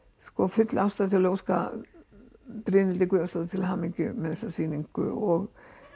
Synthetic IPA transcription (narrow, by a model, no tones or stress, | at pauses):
skɔfʏt̪lawst̪aðt̪ʰɪlːowska̰ | pɾɪːnɪlt̪ɪkʏast̪aðʏt̪ʰɪlɦaːmiɲcʏmɛðɛsːasiːniŋkʏ̰ɔɣ